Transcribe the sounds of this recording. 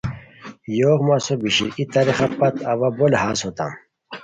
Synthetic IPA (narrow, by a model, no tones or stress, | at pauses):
joːɣmasobiɕḭʔit̪ɐɾiχapɐt̪ɐwabolhaːsot̪a̰m